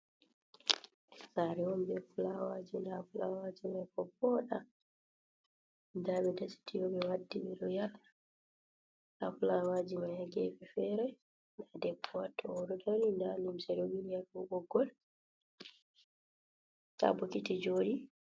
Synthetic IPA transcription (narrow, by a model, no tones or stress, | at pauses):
saɾɛɔmbɛfulawad͡ʒindafulawad͡ʒimajkɔpːɔɗa̰ | damɛdasi̥tʰijɔbɛwadːimɛɗɔjal | ʔa̰fulawad͡ʒimajaɡɛfɛfɛɾɛ | ndadɛbːɔwatʰːɔwɔdɔdɔlindanimsɛɾoɡinijaluɡɔɡɔl | sa̰bɔkitid͡ʒoːɗi